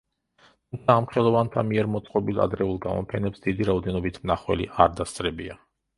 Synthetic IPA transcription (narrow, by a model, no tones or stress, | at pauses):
t̪ʰumt̪sʰaːmχɛlˠɔvant̪ʰamiɛɾmɔt̪sʼqʼɔbilˠa̰d̪ɾɛulˠɡamɔ̰pʰɛnɛpsd̪id̪iɾaɔd̪ɛnɔbit̪ʰmnaχwɛ̰lḭʔaɾd̪ast̪sʼɾɛbia